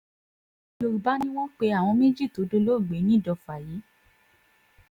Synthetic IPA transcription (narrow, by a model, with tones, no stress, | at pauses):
lo˧ɾu˨ba˨˦nĩ˦w̃ɔ̃˦k͡pe˧a˨w̃ɔ̃˧me˦d͡ʒi˦˨to˨˦do˧˦lo˦i˦˨ɡ͡be˨˦nĩ˦˨dɔ˧fa˨ji˨˦